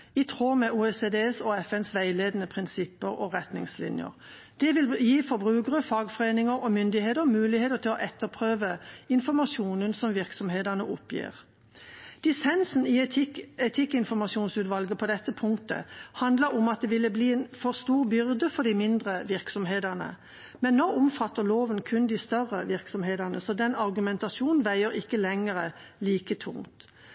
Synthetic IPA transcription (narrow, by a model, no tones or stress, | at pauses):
ɪt̪ʰʁoːmɛʔuːɛseːd̪eːsoːɛfɛnsʋæɪleːd̪ənəpʰʁɪnsɪpːəʁɔ̰ʁɛt̪nɪ̰ŋslɪ̰njə̰ʁ | d̪̥ɛʋɪljiːfɔɾbʁʉːɡʁəfɑːɡfɔʁeːnɪŋəʁɔmʏnd̪ɪheːt̪əʁɔmʉːlɪheːt̪əʁt̪ʰɪlɔʔɛt̪ːəʁpʰʁøːʋəɪnfɔʁmɑʃuːnənsɔmʋɪʁksɔmɦeːd̪əʁnəʔɔpjḭːʁ | d̪̥ɪsɛnsn̩iɛt̪ʰɪkːɪnfɔʁmɑʂuːnsʉːt̪ʋɑlɡəpʰɔd̪ɛt̪ːəpʰʊŋkt̪ə̰hɑnd̪ləɾɔmɑt̪̚d̪ɛʋɪlːəbliːeːnfɔʁst̪uːʁbʏʁd̪əfɔd̪ɪmɪnd̪ʁəʋɪʁksɔmɦeːd̪æʁnə̰ | mɛnːoːʔʊmfɑt̪ːəʁloːʋənkʰʉnd̪ɪst̪œʁːəʋɪʁksɔmheːd̪æʁnəsɔd̪ɛnɑʁɡʉmɛnt̪ɑʃuːnn̩ʋæɪəʁɪkːəlɛŋəʁəliːkət̪ʰʊ̰ŋt̪